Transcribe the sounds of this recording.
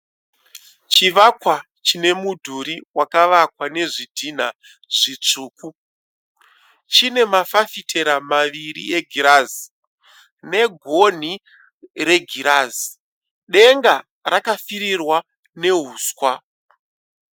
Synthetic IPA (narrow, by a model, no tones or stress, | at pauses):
t͡ʃiʋakwa | t͡ʃine̞mudʱuɾiwakaʋakwane̞ʐidʱin̤a | ʐ̥it͡ʂuːku | t͡ʃine̞mafafitʰe̞ɾamaʋirḭe̞ɡʱiɾaːzi | ne̞ɡʱo̞n̤i | re̞ɡʱiɾaːzi̥ | ɗe̞ŋɡa | rakafiɾirwa | ne̞ɦuːskwa